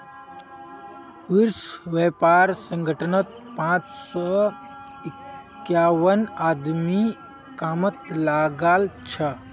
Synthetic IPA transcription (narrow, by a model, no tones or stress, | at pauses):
ʋiɾʃʋepaːɾsə̃ŋɡʱəʈʰənət̪̚ | pãt͡ʃsɔ | ɪk | jaːwənaːd̪mi | kaːmət̪laɡəlt͡ʃʰə